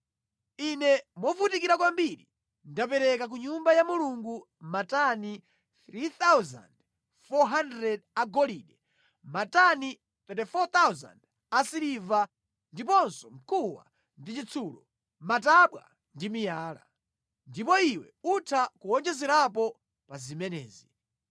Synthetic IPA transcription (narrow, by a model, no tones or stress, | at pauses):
inɛmɔvutikiɾakwambiɾḭ | ndapɛɾɛkak̬uɲumbajamuluŋɡu | matani | θɾit̪awza̰nd | fɔɦandɾɛdaɡɔliɗɛ | matani | t̪ɛtɛfɔt̪awza̰nd | asiɾiva | ndipɔnsɔm̩kʰuwa̰ | ndit͡ʃit͡sʰuːlɔ | mataɓwa̰ | ndimijaːla̰ | ndipɔiwɛ̰utʰakuwɔnd͡ʒɛzɛɾapɔ | pazimɛnɛ̰ːzi